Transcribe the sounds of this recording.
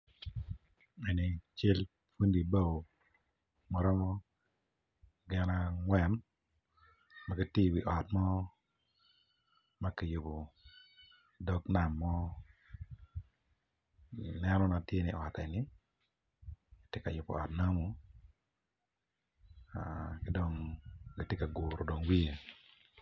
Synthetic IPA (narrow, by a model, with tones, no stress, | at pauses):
e˨ni˨t͡ʃe˦l | fu˦ndi˨ba˦wo˨ | mɔ˨ɾɔ˦mɔ˦ | ɡɛ˨na˦ŋwɛ˨n | ma˦ki˦tɪ˦˨wi˨ʔɔ˨tmɔ˦ | ma˦ki˨jʊ˨po˨ | dɔ˦kna˨mːɔ˦˨ | nɛ˦nɔ˦na˨tje˦nɪ̰˨ʔɔ˨tɛ˨nɪ˦ | i˨tje˦ka˨jʊ˨pɔ̰˨ɔ˨tna˦mu˦ | a˨kɪ˦do˨ŋɡi˦te˦ka˨ɡu˨ɾo˨do˨ŋwi˦e˨